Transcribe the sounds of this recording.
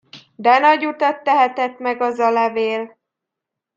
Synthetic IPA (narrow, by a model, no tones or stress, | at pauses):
d̪ɛnɒɟut̪ɒt̪ːɛɦɛt̪ɛt̪mɛɡɒzɒlɛveːl